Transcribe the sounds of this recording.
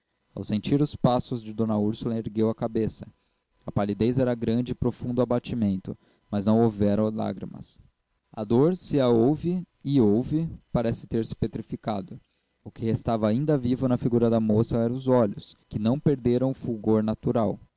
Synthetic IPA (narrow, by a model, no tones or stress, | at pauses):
a̰wsẽnt͡ʃiɾʊspasʊzd͡ʒɪd̪õnɐuɾsʊlɐeɾɡewɐkabesɐ̥ | ɐpalid̪ejzɛɾɐɡɾɐ̃nd͡ʒɪpɾofũnd̪ʊabat͡ʃimẽnt̪ʊ̰ | mɐznɐ̃w̃owvɛɾɐ̃w̃la̰ɡɾḭmɐ̰s | ɐ̰d̪oɾsɪɐowvɪ | ɪowvɪpaɾɛsɪ̥t̪eɾsɪ̥pet̪ɾifikad̪ʊ | ʊkɪhest̪avɐːĩnd̪ɐvivʊnɐfiɡuɾɐd̪ɐmosɐɛɾɐ̃ʊzɔʎʊskɪnɐ̃w̃peɾd̪eɾɐ̃w̃ʊfuɡoɾnat̪uɾaw